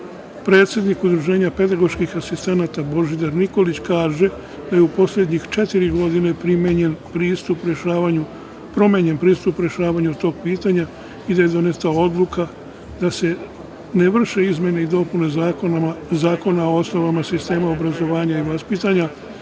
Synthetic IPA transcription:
pɾe̞ːt̪sʲje̞d̪nikud̪ɾuʒe̞ːɲape̞d̪aɡo̞ɾʃkixasist̪e̞naːt̪abo̞ʒid̪aɾniko̞lit͡ɕkaːʒe̞ | d̪̥ajeupo̞sʎʲe̞d̪ɲixt͡ʃe̞t̪iɾiɡo̞d̪ine̞pɾimeɲenpɾiːst̪upɾeʃaaɲu | pɾo̞meɲenpɾiːst̪upɾʲje̞ʃaːʋaɲut̪o̞ːɡ̚piːt̪aɲa | id̪aje̞d̪o̞ne̞t̪ao̞d̪lˠukʰa | d̪̥ase̞ | neʋr̩ʃe̞izmʲje̞ne̞id̪o̞pune̞zaːkonazaːko̞nao̞osno̞ʋamasist̪e̞ːmao̞bɾazo̞ʋaːɲaiʋaspit̪aɲa

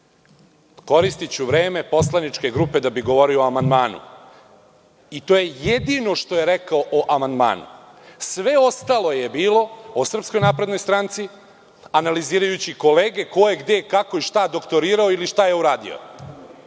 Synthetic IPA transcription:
ko̞ɾist̪it͡ɕuʋɾeːme̞po̞slanit͡ʃke̞ɡɾupe̞d̪abiɡo̞ʋo̞ɾiooamand̪maːnṵ | it̪o̞je̞jed̪ino̞ʃt̪o̞je̞ɾekaoʔoʔamand̪ma̰ːnṵ | sʋe̞o̞st̪alˠo̞je̞biːlo̞osr̩psko̞jnaːpɾe̞d̪no̞jst̪ɾant̪si | analiziːɾajut͡ɕiko̞leːɡe̞ko̞jeɡd̪e̞kako̞iʃt̪ad̪o̞kt̪o̞ɾiːɾaoiliʃt̪aje̞uɾaːd̪ḭo̰

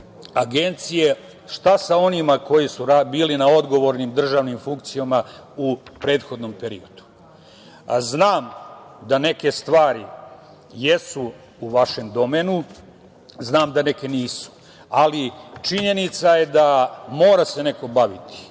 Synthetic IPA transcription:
aɡe̞nt̪sije̞ | ʃt̪asao̞nimako̞jisuɾabiːlinao̞d̪ɡo̞ʋo̞ɾnimd̪r̩ʒaːʋnimfuŋk̚t̪sijamaupɾe̞ːt̪xo̞d̪no̞mpe̞ɾḭod̪̥u̥ | znaːmd̪ane̞ke̞st̪ʋaːɾi | jesu | uʋaʃe̞md̪o̞meːnu | znaːmd̪ane̞ke̞niːsu̥ | alit͡ʃiɲe̞nit̪saje̞d̪amo̞ːɾase̞ne̞ko̞baʋit̪i̥

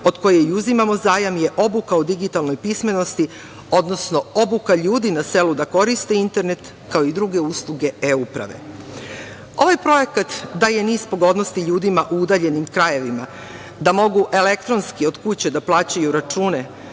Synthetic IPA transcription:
o̞d̪ko̞jejuzimamo̞zaːjamje̞ʔo̞bukaod̪iɡit̪alno̞jpisme̞no̞st̪i | o̞d̪no̞sno̞o̞bukaʎuːd̪inase̞lud̪ako̞ɾist̪e̞int̪e̞ɾne̞t̪ | kao̞id̪ɾuɡe̞uslˠuɡe̞eupɾa̰ʋe̞̰ | o̞ʋajpɾo̞je̞kat̪d̪aje̞niːspoɡo̞d̪no̞st̪iʎuːd̪imaʔuud̪aʎe̞nimkɾaje̞ʋima | d̪amo̞ɡuʔe̞le̞k̚t̪ɾo̞nskio̞d̪kut͡ɕe̞d̪aplˠaːt͡ɕajuɾat͡ʃuːne̞

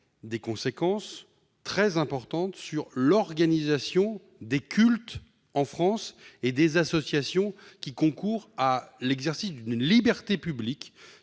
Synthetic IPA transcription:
d̪ekɔ̃sekɑ̃s | t̪χɛzɛ̃pɔʁt̪ɑ̃t̪syʁlɔʁɡanizasjɔ̃ | d̪ekʲʰylt̪ | ɑ̃fχɑ̃sed̪ezasɔsjasjɔ̃kʲikɔ̃kuʁalɛɡzɛʁsisd̪ynlibɛʁt̪epyblik

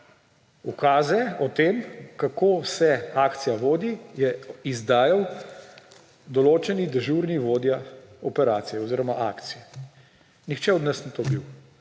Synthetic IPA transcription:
ukaːzɛɔt̪eːmkakoːsɛaːkt̪sijaʋoːd̪ijɛizd̪aːjaw | d̪ɔloːt͡ʃɛnid̪ɛʒuːɾniʋoːd̪jaɔpɛɾaːt̪sijɛɔziːɾɔmaʔaːkt̪sijɛ | nixt͡ʃɛɔd̪nəsnit̪obiw

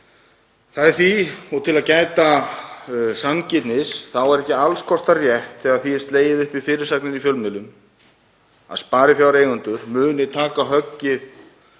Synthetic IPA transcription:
θaðɛɾθiɔt̪ʰɪlaðcaːjt̪a | sancɪt̪nɪsθawɛɾɛhcɪalskʰɔst̪arjɛht̪θɛɣaðθiɛst̪leːjɪðʏhpɪfɪːɾɪɾ̥saknɪnifjœlmɪlʏm | a̰ðspaːɾɪfjawɾejɣʏnt̪ʏɾmʏːnɪt̪ʰaːkaɦœcːɪð

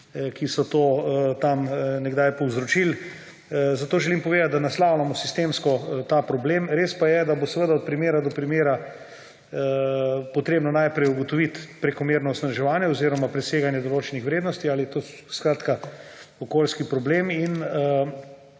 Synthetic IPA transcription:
kisɔt̪oːt̪amnɛɡd̪ajpɔwzɾot͡ʃil | zat̪oːʒɛlimpɔʋeːd̪at̪̚d̪anaslawlamɔsi̥st̪eːmskɔt̪apɾɔbleːmɾeːspajɛd̪abosʋəd̪aɔt̪̚pɾimeːɾad̪ɔpɾimeːɾa | əpot̪ɾeːbnɔnajpɾɛjuɡot̪oʋit̪pɾɛkɔmeːɾnɔɔsnaʒɛʋaːnjɛoziɾɔmapɾɛseːɡanjɛd̪oloːt͡ʃɛnixʋɾeːd̪nɔst̪iaːlit̪o | skɾaːt̪kaokoːlskipɾɔbleminə

